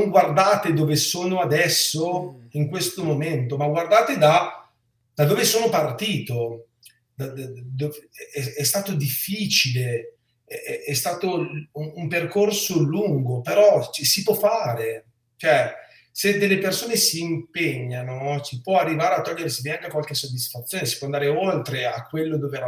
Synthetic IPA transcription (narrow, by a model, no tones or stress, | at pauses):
noŋɡward̪aːt̪ed̪oːvesoːnoad̪ɛsːoiŋkwest̪omoment̪omaɡward̪aːt̪ed̪a | d̪̥ad̪oːvesoːnopart̪iːt̪o | d̪ad̪ovɛɛɛst̪aːt̪od̪ifːit͡ʃile | ɛɛɛst̪aːt̪ouumperkorsoluŋɡopeɾɔt͡ʃɛsipwɔfːaːɾe | t͡ʃoɛ | sed̪elːepersoːnesiːmpeɲːanosipwɔarːivaːɾeat̪ːɔʎːeɾesiviaŋkakwalkesːod̪ːisfat̪sːjoːnesi̥pwɔand̪aːɾeolt̪ɾeakːwelːod̪oːveɾa